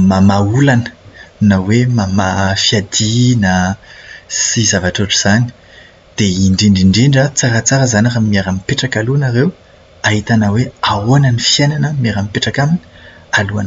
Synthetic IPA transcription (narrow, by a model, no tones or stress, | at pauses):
mamaulanə̥nawemamafiad̪inə | sizavaʈ͡ʂaʈ͡ʂuz̥ani̥ | d̪̥eiɳɖ͡ʐiɳɖ͡ʐiɳɖ͡ʐiɳɖ͡ʐat͡saɾat͡saɾəzanaramimiaɾamipeʈ͡ʂakaluanaɾew | aɦit̪anaweaoanənifiajnanəmiaɾamipeʈ͡ʂakamini̥ | alua̰nə